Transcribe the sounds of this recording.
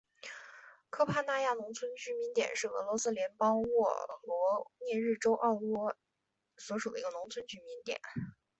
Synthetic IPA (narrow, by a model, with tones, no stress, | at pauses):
kʰɤ˥pʰa˥˧na˥˧ja˥˩nʊ˧˥ŋt͡sʰwə˥nt͡ɕy˧˥mi˧˥nt̪jɛ̰˨˩nʂɻ̩˥˩ɤ̰˧˥lwɔ˧˥sɹ̩˥ljɛ˧˥npɑ˥ŋwɔ̰˥˩lwɔ˧˥njɛ˥˧ɻɻ̩˥˩ʈ͡ʂo˥ʊʔɑ˥˧ʊwwɔ˥˩ | swɔ˧˥ʂu˨˩ə˦i˧˥ɡə˧nʊ˧˥ŋt͡sʰwə˥nt͡ɕy˧˥mi˧˥nt̪jɛ̰˨˩˦n